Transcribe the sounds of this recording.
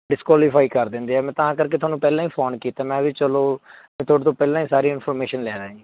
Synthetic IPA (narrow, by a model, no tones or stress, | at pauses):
ɖɪskwaːlɪpʰaːiːkəɾd̪ɪ̃nd̪eːɛːmɛ̃ːt̪ãːkəɾk̬eːʊaːnũːpɛːlãːĩːpʰoːnkiːt̪aːmɛ̃ːʋit͡ʃəloːmɛ̃ːt̪ʰoːɽt̪õːpɛːlãːĩːsaːɾiːɪnpʰɔːɾmeːʃənlɛːɾãːiː